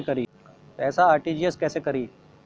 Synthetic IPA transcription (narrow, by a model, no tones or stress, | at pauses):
kəɾiː | t̪ɛːsaaːɾʈid͡ʒiːeskɛːsekəɾiː